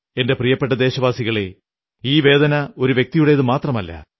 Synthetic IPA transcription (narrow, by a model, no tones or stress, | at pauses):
e̞nde̞prijɐpːe̞ʈːɐd̪e̞ːɕɐʋaːsiɣɐɭe | iːʋe̞ːd̪ɐnɐo̞ɾuʋjek̚t̪ijuɽe̞jɐðɨmaːt̪rɐmɐlːɐ̰